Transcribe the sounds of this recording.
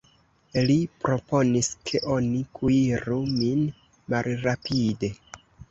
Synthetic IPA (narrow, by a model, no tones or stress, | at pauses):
lipɾo̞po̞niskʰe̞ʔo̞nikʰuiɾumin | malɾapʰide̞